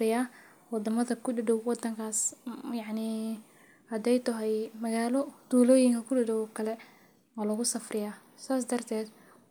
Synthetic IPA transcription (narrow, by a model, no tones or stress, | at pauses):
ɪjaː | wɑd̪ɐmɐðɐkʰʊɖɪdɔwwɑd̪ɐŋkʰaːsjɑʕni | hɐd̪ɛjt̪ʰɐɦɛjmɐɣaːlɔd̪̥uːlɔːjɪŋkʰɐkʰʊɖɪdɔwɔkʰɐlɛ | ɔːlɐɣʊsɐfrʔɪjaː | saːs̬d̪ɐrt̪ʰɛːd̪